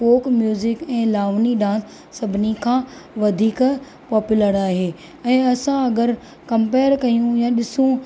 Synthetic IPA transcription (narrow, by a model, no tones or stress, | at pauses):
poːkmjuːzɪkɛ̃ːlaːʋniɖãːsː | ɐbʱɪnikʰãːʋɐd̪ʱiːk | pɔːpʊləɾaːɦeː | ɛ̃ːɐsãɐɡəɾ | kɐ̃mpeːəɾkɐijũjãɗɪsũ